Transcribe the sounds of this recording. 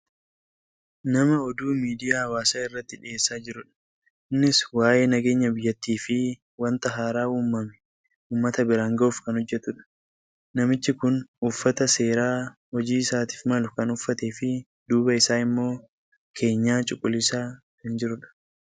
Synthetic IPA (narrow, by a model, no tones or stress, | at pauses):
nɐmɐɔd̪uːmiːd̪ɪjaːɐwaːsaːɪrːɐt̪ːɪᶑɪeːsːaːd͡ʒɪɾʊᶑɐ̥ | ʔɪnːɪswaːje̞ːnɐɡe̞ːɲːɐbɪjːɐt̪ːiːfɪ | wɐnt̪ɐɦaːɾaːuːmːɐmɛ̥ | uːmːɐt̪ɐbɪɾaːŋɡɐoːfkɐnhɔd͡ʒːɛt̪ʊᶑɐ̥ | nɐmɪt͡ʃːɪkʊnʊfːɐt̪ɐse̞ːɾaːhɔd͡ʒiːɪsaːt̪i̥ːfmɐlʊkɐnʊfːɐt̪eːfɪ | d̪uːbɐɪsaːɪmːo̞ː | kʰe̞ːɲːaːt͡ʃʼʊkʼːʊlːɪsaː | hɪnd͡ʒɪɾʊᶑɐ̥